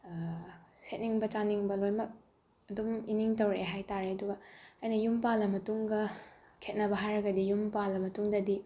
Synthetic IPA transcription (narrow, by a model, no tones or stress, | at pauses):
set̚niŋbɐt͡ʃaniŋbɐlojmɐk̚ | ɐduminiŋtɐwɾeeɦajtaɾeɐduɡɐɐjnɐjumpalɐmɐtuŋɡɐ | kʰet̚nɐbɐɦajɾɐɡɐdijumpalːɐmɐtuŋdɐdi